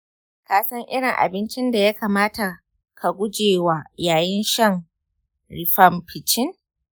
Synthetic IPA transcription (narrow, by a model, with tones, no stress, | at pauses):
kaː˨sɐ˦ŋʔɪ˦ɽɪ˨ŋʔa̰˨bɪ˦nt͡ʃɪ˦nda˨ja˦kaː˨maː˦ta˨ | kʰa˨ɡʷʊ˦d͡ʒeː˨waː˨jaː˨jɪ˦nʃɐ˦ŋ | ɾɪ˨ɸɐ˦˨mɸʰɪ˨t͡ʃɪ˦n